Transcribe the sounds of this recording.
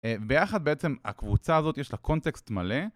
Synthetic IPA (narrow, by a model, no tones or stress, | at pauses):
evbe̞jaχad̪beet͡se̞ma̰kvut͡saːzo̞t̪jeʃlako̞nt̪ekst̪male̞